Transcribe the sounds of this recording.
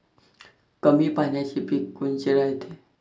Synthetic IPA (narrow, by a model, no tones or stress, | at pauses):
kəmiːpanjat͡ɕiːpikːunt͡ɕeɾaɦjt̪e